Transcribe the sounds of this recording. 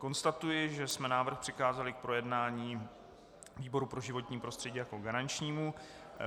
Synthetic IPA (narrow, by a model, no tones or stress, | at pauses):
ko̞nst̪at̪ujɪʒɛsmɛnaːvr̩xpr̝̥ɪxaːzalɪk̚pɾo̞jɛdnaːɲiː | viːbo̞ɾupɾo̞ʒɪvo̞t̪ɲiːpɾo̞st̪r̥ɛɟiːjakoɡaɾant͡ʃɲiːmu